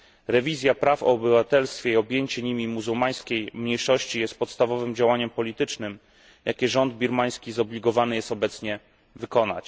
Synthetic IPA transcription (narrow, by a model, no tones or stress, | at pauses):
ɾɛvʲizʲjapɾafɔ̰ːbɘvat̪ɛlst̪fʲjɛiɔbʲjeɲt͡ɕɛɲimʲimuzuwmaj̃skʲejmɲejʂɔɕt͡ɕijɛst̪̚pɔt̪st̪avɔvɘmd͡ʑawaɲɛmpɔlʲit̪ɘt͡ʂnɘm | jʔakʲɛʐɔnd̪̚bʲiɾmaj̃skʲizɔblʲiɡɔvanɘjɛst̪ɔbɛt̪sɲɛ | vɘkɔna̰t͡ɕ